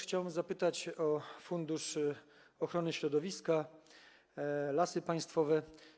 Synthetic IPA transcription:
xt͡ɕawɛmzapɘt̪at͡ɕɔfund̪uʂ | ɔxɾɔnɘɕɾɔd̪ɔvʲiska | lasɘpaj̃st̪fɔvɛ

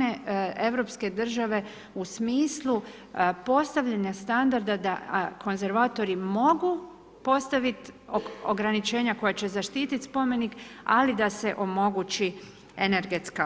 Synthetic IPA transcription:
ee̞ʋɾo̞ːpske̞d̪r̩ʒaʋe̞ | usmiːslˠu | po̞st̪aʋʎaɲast̪and̪aɾd̪ad̪akʰo̞nze̞ɾʋaːt̪o̞ɾimo̞ɡu | po̞st̪aʋit̪o̰ɡɾanit͡ʃe̞ːɲako̞jat͡ɕe̞zaʃt̪iːt̪it̪spo̞me̞nika̰lid̪ase̞ʔo̞mo̞ɡuːt͡ʃi | ene̞ɾɡet̪ska

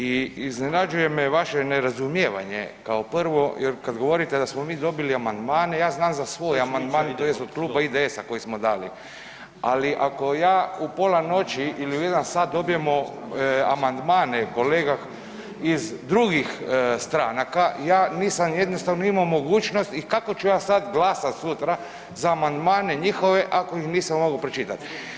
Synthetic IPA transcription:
iiznenad͡ʒuje̞meʋaʃeneɾazumjeʋa̰ɲḛkaoprʋo̞jʔeɾkad̪ɡo̞ʋo̞ɾit̪ed̪asmomiːd̪o̞biliamand̪maːnejaːznaːmzasʋo̞ːjamand̪maːnt̪ojest̪od̪kluːbaid̪eesako̞jismod̪aːlḭ | aliʔako̞jaːupoːlano̞t͡ʃiiliuje̞d̪ansaːt̪̚d̪o̞bije̞mo | a̰mand̪maːneko̞leːɡax | izd̪ɾuɡixst̪ɾaːnakajaːniːsamje̞d̪nost̪aʋnoimaomo̞ɡuːt͡ʃnost̪ikako̞t͡ʃujaːsad̪ɡlaːsat̪sut̪ɾa | zaːmand̪maːne̞ɲixo̞ʋe̞ʔakojixniːsammːoɡapɾet͡ʃit̪at̪

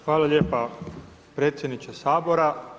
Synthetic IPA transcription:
xʋaːlaʎeːpa | pɾe̞ːt̪sjed̪nit͡ʃesaːboɾa

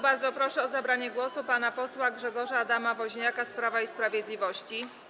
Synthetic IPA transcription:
baɾd̪zɔpɾɔʂɛɔzabɾaɲɛɡwɔsupanapɔswaɡʐɛɡɔʐaːd̪amavɔʑɲakaspɾavaispɾavʲjɛd̪lʲivɔɕt͡ɕi

